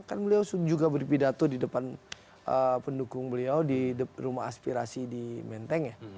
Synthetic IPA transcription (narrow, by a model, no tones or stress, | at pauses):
karnbəliawsud͡ʒuɡabərpidat̪odidəpan | əpəndukʊŋbəliawdidɾumaɦa̰spiɾasidimɛnt̪ɛŋja